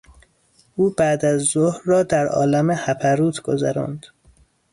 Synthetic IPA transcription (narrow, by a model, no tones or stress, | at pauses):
ʔuːbæd̪æzːohɾːɒːd̪æɾʔɒ̰ːlæmehæpʰæɾuːt̪ʰɡ̥ozæɾɒ̰ːnd̪̥